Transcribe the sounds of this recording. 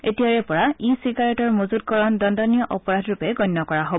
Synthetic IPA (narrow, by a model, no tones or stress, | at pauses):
etijaɹɛpɔɹaisiɡaɹɛtɔɹmozud̚kɔɹɔndɔndɔnijɔʔɔpɔɹadʱɹupɛɡɔjnːɔkɔɹaɦob